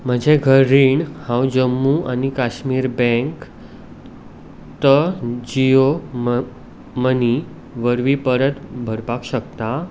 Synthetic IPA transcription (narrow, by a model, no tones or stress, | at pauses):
m̤əd͡ʑʱeɡʱəɾːiːɳhãwd͡ʑəmːuanikaɕmiːɾbɛ̃ŋk | t̪əd͡ʑijo | məni | ʋəɾʋipəɾət̪bʱəɾpakɕəkt̪a